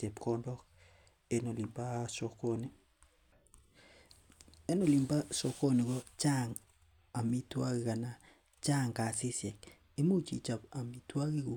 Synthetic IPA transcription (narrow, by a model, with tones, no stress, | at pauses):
se˨pkɔ˦ndɔ˦k | e˦no˨li˨mba˦sɔ˦ko˦ni˦ | e˦no˨li˨mba˦so˦ko˦ni˨kɔ˦t͡ʃa˦ŋ | a˨mi˦twa˦ɣi˨ka˨na˨ | t͡ʃa˦˨ŋka˨si˦sje˨k | e˦mo˦t͡ʃḭ˨t͡ʃa˨pa˨mi˨twa˦ɣi˦ko˨